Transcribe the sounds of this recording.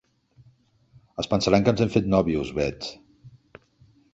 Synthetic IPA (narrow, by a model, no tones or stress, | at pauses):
əspənsəɾaŋkənzeɱfet̪nɔβiuzβɛt͡s